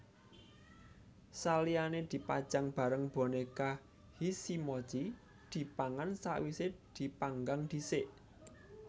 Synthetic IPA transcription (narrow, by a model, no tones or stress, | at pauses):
salianed̪̥i̤pad̥d͡ʒ̥a̤ŋb̥a̤ɾəŋb̥o̤neka | hisimɔ̥ʒ̥i | d̪̥i̤paŋansa̰ʔwised̪̥i̤paŋɡaŋd̪̥isɪʔ